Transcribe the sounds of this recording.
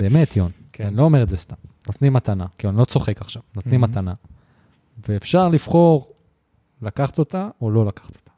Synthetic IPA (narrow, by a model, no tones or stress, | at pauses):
be̞ːme̞tjon | anilo̞ːme̞ʁedzest̪amnot̪nimat̪anakiluanilo̞t͡so̞χe̞kaχʃavnot̪nimat̪ana | veːfʃaʁlifχo̞ʁ | lakaχat̪o̞taolo̞lakḁχḁt̪o̥t̪ḁ